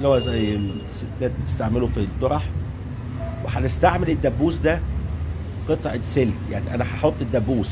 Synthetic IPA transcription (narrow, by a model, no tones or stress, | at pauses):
lhowæzæjːe | set̪ːæːt̪̚bet̪est̪aʕmelufilt̪ːoɾˤɑħ | weħænest̪aʕmeled̪ːæbːuːsd̪æ | qet̪ˤʕeselt̪jaʕniʔænæħɑħot̪ˤːed̪ːæbːuːs